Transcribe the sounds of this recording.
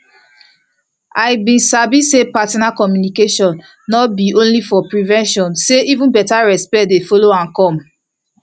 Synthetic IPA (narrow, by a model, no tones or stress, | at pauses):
ajbĩnsabisepatɔnakɔmjunikeʃɔ̃nː | ɔbiõnlifɔpɹivɛ̃nʃɔ̃nseivũnbɛtaɹɛspɛt̚defɔloãnkɔ̃m